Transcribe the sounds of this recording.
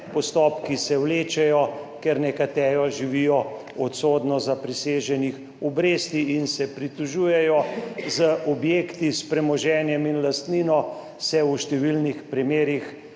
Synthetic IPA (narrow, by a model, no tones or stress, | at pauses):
pɔst̪ɔpkisɛwleːt͡ʃɛjɔkɛɾnɛkat̪ɛːjɔʒiʋiːjɔ | ɔt̪soːd̪nɔzapɾiseːʒɛnix | ɔbɾeːst̪iinsɛpɾit̪uʒuːjɛjɔzəʔɔbjeːkt̪ispɾɛmɔʒɛːnjɛminlast̪niːnɔ | sɛuʃt̪ɛʋilnixpɾimeːɾix